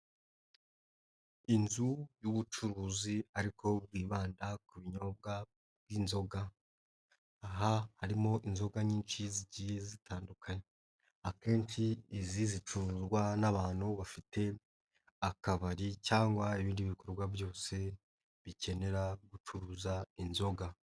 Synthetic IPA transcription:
inzujuβut͡ʃuɾuziaɾikʰo̞b̚ɡiːβaːndakuβiɲo̞bɡa | bɡinzo̞ɡa | ɦahaɾimo̞ʔinzo̞ɡaɲiːnʃiziɟijezitʰaːndukʰaɲe | ake̞ːnʃiːzizit͡ʃuɾuzɡwanaβaːn̥huβafite̞ | akaβaɾicaːŋɡwaeβiːndiβikoɾɡwavjo̞ːse̞ | βice̞ne̞ɾaɡut͡ʃuɾuzainzo̞ɡa

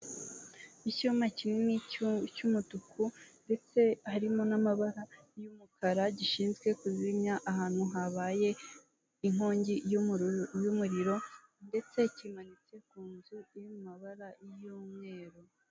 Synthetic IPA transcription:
icumacininicumutukʰunde̞t͡se̞haɾimo̞namaβaɾa | jumukʰaɾaɟiʃiːnzɡwe̞kuzimɲaʔahaːn̥huɦaβaje̞ | iŋ̥o̞ːɲɟi | jumuɾiɾo̞ | nde̞t͡se̞cimanit͡se̞kuːnzuijomumaβaɾajomŋe̞ːɾo

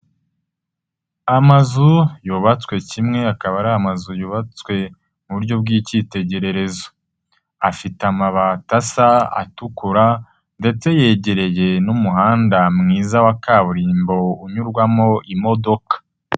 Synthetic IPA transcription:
amazujuβat͡swe̞cimŋe̞akaβaɾaːmazujuβat͡swe̞ | muβuɾɟo̞b̚ɡiːciːte̞ɟe̞ɾe̞ɾe̞zo̞̥ | afitamaβatasaa̰tukuɾa | nde̞t͡se̞je̞ːɟe̞ɾe̞je̞numuɦaːndamŋiːzawakaβuɾiːmbo̞uɲuɾɡwamo̞ʔimo̞do̞kḁ

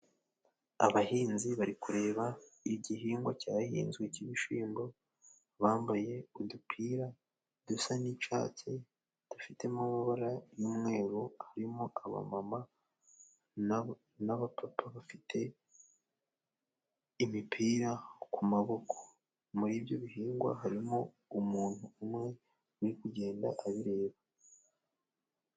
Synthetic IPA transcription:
a̰βahiːnziβaɾikuɾe̞ːβaiɟihiːŋɡwacahḭːnzɡweciβiʃiːmbo̞ | βaːmbaje̞udupʰiːɾa | d̥usanit͡ʃa̰ːce | d̥afite̞mumaβaɾajumŋe̞ːɾohaɾimoʔaβa̰mama | naβapapaβafitʰe̞ | imipʰiːɾakʰumaβo̞kʰo̥ | muɾiːbjo̞βiɦiːŋɡwa̰ɦaɾimo | umuːn̥huːmŋe̞ | nikuɟe̞ːnda̰ʔaβiɾe̞ːβa

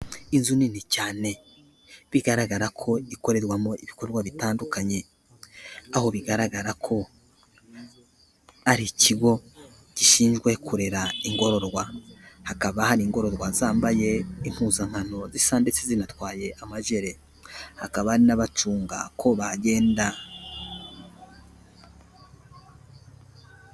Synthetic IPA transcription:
inzuninicaːne̞ | βiɡaɾaɡaɾakʰo̞iko̞ɾe̞ɾɡwamoiβiko̞ɾɡwaβitaːndukaɲe̞ | aho̞βiɡaɾaɡaɾakʰo̞ | aɾiciɡo̞ | ɟ̥iʃiːnʒɡwe̞kuɾe̞ɾaiŋɡo̞ɾo̞ɾɡwahakaβahaɾiːŋɡo̞ɾo̞ɾɡwazaːmbaje̞im̥huːzaŋ̥hano̞zisande̞t͡sezinatwaːje̞ʔamaʒe̞ɾe̞ | hakaβaːɾinaβat͡ʃuːŋɡa̰kʰo̞βaɟe̞ːnda

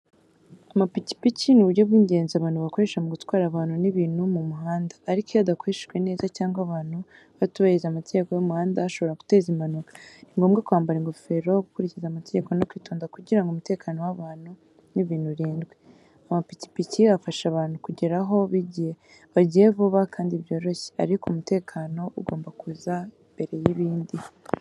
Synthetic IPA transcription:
amapici̥picinuβuɾɟo̞βɡiːɲɟe̞ːnziaβaːnhuβako̞ɾe̞ʃamoɡutwaːɾaβaːnhuniβiːnhumumuɦaːndḁːɾikojadako̞ɾeʃe̥ʒɡwe̞ne̞ːzacaːŋɡaβaːnhu | βatuβajizamate̞ɟeko̞jomuhaːndaaʃo̞βo̞ɾaku̥te̞ːzimanukḁniŋɡo̞mɡakwaːmbaɾiŋɡo̞fe̞ɾo̞ɡukuɾicizamateɟe̞ko̞nokwiːtoːndakuɟiɾaŋɡumute̞ːkʰano̞waβaːn̥hu | niβiːnhuɾiːnɡwe | amapici̥piciafaʃaβaːnhukuɟeɾaɦo̞βiɟie | βaɟieβuβakaːndiβjo̞ːɾo̞çe̥a̰ɾikomute̞ːkʰano̞ʔuɡo̞ːmbakuza | mbe̞ɾe̞jiβiːndi

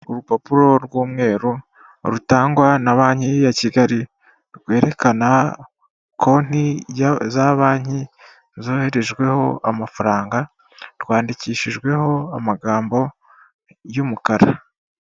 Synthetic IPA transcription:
uɾupopuɾo̞ɾɡwuːmŋe̞ːɾu | ɾutaːŋɡwanaβaːɲhijaciɡaɾi | ɾɡwe̞ːɾe̞kana | kʰo̞n̥izaβaːɲ̥hi | zo̞ːhe̞ɾe̞ʒɡwe̞ho̞amafaɾaːŋɡa | ɾɡwaːndiciːʃiʒɡwe̞ho̞amaɡaːmbo̞ | jumukaɾa

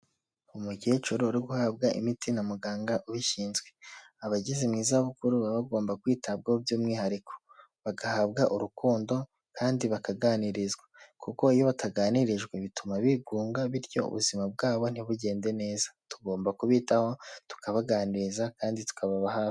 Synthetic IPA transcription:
umuɟeːt͡ʃuɾoːɾiɡuhabɡaʔḭmitinamuɡaːŋɡaʔuβiʃiːnzɡwe̞ | aβaɟizimŋiːzaβukuɾuβaβaɡo̞ːmbakwiːtab̚ɡahobjuːmŋiːhaɾikʰo̥ | βaɡahabɡaʔuɾukuːndo̞ | kaːndiβakaɡaːniɾizɡwakuko̞ijo̞βataɡaːniɾiʒɡweβitumaβiɡuːŋɡaβiɾɟo̞̰ṵβuzimabɡaːβo̞n̥iβuɟe̞ːnde̞ne̞ːzḁtuɡo̞ːmbakuβiːtaho̞tu̥kaβaɡaːniɾizakaːnditu̥kaβaβahaːfi̥

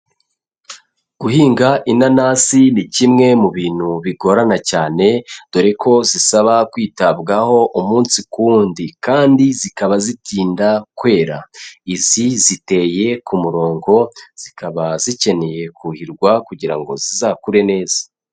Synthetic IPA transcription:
ɡ̥uhiːŋɡaʔinanaːsinicimŋe̞muβiːn̥huβiɡo̞ɾanacaːne̞d̥oɾekʰo̞zisaβakwiːtabɡaho̞ʔumuːnsikuːndikaːndizikaβazitiːndakwe̞ːɾa̰izizite̞je̞kumuɾo̞ːŋɡo̞z̥ikaβazice̞ne̞je̞kuhiɾɡwakuɟiɾa̰ŋɡo̞̰zizakuɾe̞ne̞ːz̥ḁ

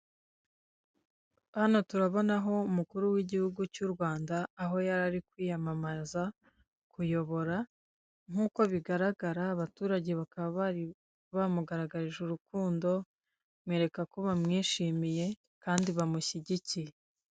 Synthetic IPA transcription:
hano̞tuɾaβo̞naɦo̞umukuɾuwiɟihuɡucuɾɡwaːndaːɦo̞jaɾaɾikwiːjamamaza | kujo̞βo̞ɾa | ŋ̥uːko̞βiɡaɾaɡaɾaːβatuːɾaɟe̞βakaβaβaɾi | βamuɡaɾaɡaɾiʒuɾukuːndo̞ | mweːɾe̞kako̞βamŋiːʃiːmije̞ | kaːndiβamuçiɟicije

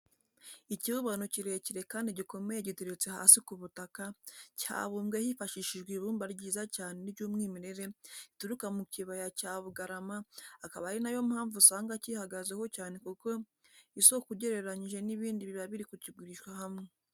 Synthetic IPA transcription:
iciβuβanociɾe̞ciɾe̞kaːndiɟiko̞me̞jeɟiteɾet͡se̞ha̰sikuβutakaca̰ːβumɡehifaʃiʃiʒɡwiβuːmbaɾɟiːzacaːne̞niβɟuːmŋiːmiɾe̞ɾe̞ituɾukamuciβajacaːβuɡaɾamaːkaβaɾinajo̞mhaːɱvusaːŋɡacihaɡazeho̞caːne̞kuko̞ | isokuɟe̞ɾe̞ɾaɲiʒe̞niβiːndiβiɾaβiɾikucibɡiɾiʃkwahamŋe

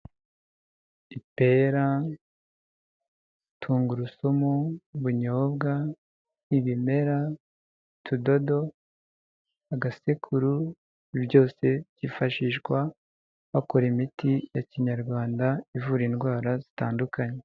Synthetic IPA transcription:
ipe̞ɾa | tʰuːŋɡuɾusomuβuɲo̞ːb̚ɡa | iβime̞ɾa | tʰudo̞do̞ | aɡasekʰuɾu | iβɟo̞ːse̞ɟ̥ifaʃiʃɡwa | βakoɾimitijaciɲaɾɡwaːndaivuɾinɡwaːɾazitaːndukaɲe

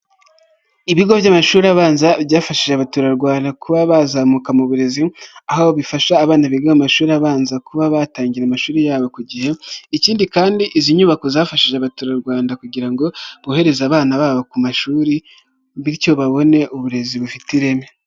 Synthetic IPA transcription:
iβiɡo̞vjamaʃuːɾiaβaːnzabjaːfaʃiʒeaβatuːɾaɾɡwaːndakuβaβazaːmukamuβuɾe̞ziahaoβifaʃaːβaːnaβiɡahamaʃuːɾiaβaːnzakuβaβataːɲɟiɾamaʃuːɾijaːβo̞kuɟihe̞iciːndikaːndiʔiziɲuβakozaːfaʃiʒeaβatuːɾaɾɡwaːndakuɟiɾaŋɡo̞βuhe̞ɾe̞zaːβaːnaβaːβokumaʃuːɾi | βiɾco̞βaβo̞ne̞ʔuβuɾe̞ziβufitiɾe̞me

